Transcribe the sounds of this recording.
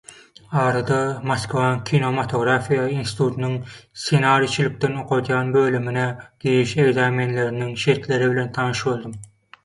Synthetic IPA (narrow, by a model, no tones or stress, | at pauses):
ɑːɾɑd̪ɑmɑskvɑnkʲʰinomɑt̪ʰoɡɾɑfijɑinsi̥t̪ʰut̪ʰnɪŋsenɑɾit͡ʃʰilɪk̚ʲt̪ɛnoqʰot̪ʰjɑnbølyminɛɡ̥ʲiɾiʃeɡzɑːmenleɾɪnɪŋʃeɾt̪leɾɪbɪlent̪ʰɑnɨʃbolˠd̪ɨm